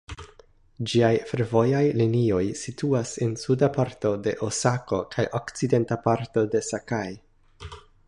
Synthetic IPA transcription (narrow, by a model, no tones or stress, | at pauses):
d͡ʒiajfe̞ɾvo̞jajlinio̞jsituasensudapaɾto̞de̞ʔosako̞kʰajʔo̞kt͡side̞ntapaɾto̞de̞sakaj